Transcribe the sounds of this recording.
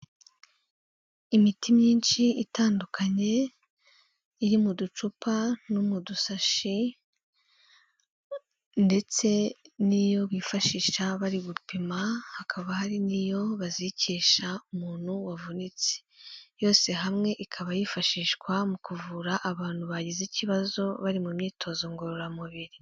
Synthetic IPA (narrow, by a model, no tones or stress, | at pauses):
imitimɲiːnʃiitaːndukʰaɲe̞ | iɾimudut͡ʃupanumudusaʃi | nde̞t͡se̞nijo̞βiːfaʃiːʃaβaɾiβupimahakʰaβahaɾinijo̞βaziciːʃaumuːn̥huwavunit͡se̥jo̞ːse̞ɦamŋe̞ʔikʰaβajifaʃiːʃkwamukuvuɾaʔaβaːn̥huβaɟiziciβazo̞βaɾimumɲiːtʰo̞ːzo̞ŋɡoɾoɾamuβiɾi